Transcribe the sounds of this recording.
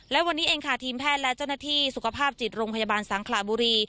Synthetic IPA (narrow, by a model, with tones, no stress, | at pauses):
lɛ˦˥wa˧nːiː˦˥ʔeː˧ŋkʰa˥˩t̪ʰiː˧mpʰɛː˥˩t̪̚lɛ˦˥t͡ɕa˥˩wnaː˥˩t̪ʰiː˥˩su˨˩kʰa˧pʰaː˥˩p̚t͡ɕi˨˩t̪̚ɾoː˧ŋpʰa˧jaː˧baː˧nsaː˩˦ŋkʰlaː˨˩buː˧ɾiː˧